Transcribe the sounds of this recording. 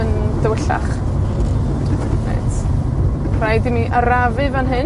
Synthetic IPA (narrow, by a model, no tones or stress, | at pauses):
əndəwəɬa̰χ | nḛjtʰ | rajdimiʔaɾavɨvanɦɨ